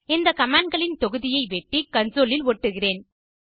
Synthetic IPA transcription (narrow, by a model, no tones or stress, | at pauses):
ɪnd̪ɐkɐmaːɳɖ̚ɡɐɭɪnt̪ɔɣɯðɪjɐɪʋɛʈːikɐnsoːlɪlɔʈːɯɣɪreːn